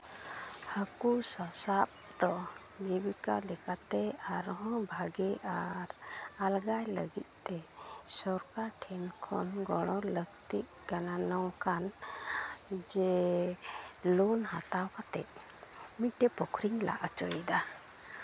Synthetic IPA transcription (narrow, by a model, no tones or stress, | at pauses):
həkusɔsap̚d̪ɔʔbibika̰lɛkat̪ɛaɾɔɦɔ̃bʱaɡɛʔaɾalɡajlə̰ɡit̪̚ˀt̪ɛ | sɔɾkaʈʰɛnkʰɔnɡɔɽ̃ɔ̃ləkt̪iʔ | kananawkan | d͡ʒɛ | lunɦat̪awkat̪ɛ̰ʔmiʈːɛpɔkʰɾiŋla̰ʔat͡ʃɔjd̪a